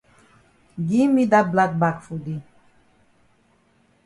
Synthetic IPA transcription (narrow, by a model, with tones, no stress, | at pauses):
ɡi˦mi˦d̪a˦t̪̚bla˦t̪̚ba˨kfu˨d̪i˨